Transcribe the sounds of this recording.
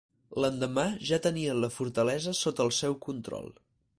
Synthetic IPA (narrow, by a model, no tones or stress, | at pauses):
lənd̪əmaʒat̪əniənləfuɾt̪əlɛzəsot̪əːlˠsɛwkunt̪ɾɔ̰lˠ